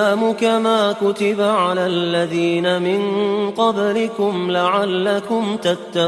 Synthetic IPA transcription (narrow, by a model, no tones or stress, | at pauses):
aːmʊkamaːkʊt̪ɪbaʕalaːʔlːaðiːnamɪnqɑblɪkʊmlaʕalːakʊmt̪at̪ːa